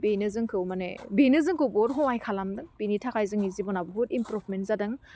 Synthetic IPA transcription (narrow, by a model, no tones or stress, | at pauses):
benɯzɯŋkʰɯwmanḛbinɯzɯŋkʰɯwbɔdɦɔwajkʰalamdɯŋb̥initʰakʰajzɯŋizibɔnabuɦut̚impɾupʰmentzadɯŋ